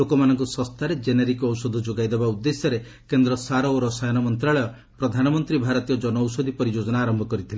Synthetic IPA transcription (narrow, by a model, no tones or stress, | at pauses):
okɔmanɔŋkusɔst̪ʰaɾed͡ʒeneɾikɔwsɔd̪ʱɔd͡ʒoɡajd̪ebaud̪ːesjɔɾe | kend̪ɾɔsaɾɔoɾɔsajɔnɔmɔnt̪ɾaɭɔjɔ | pɾɔd̪ʱanɔmɔnt̪ɾibʱaɾɔt̪ijɔd͡ʒɔnɔwsɔd̪ʱipɔɾid͡ʒod͡ʒɔnaːɾɔmbʱɔkɔɾit̪ʰile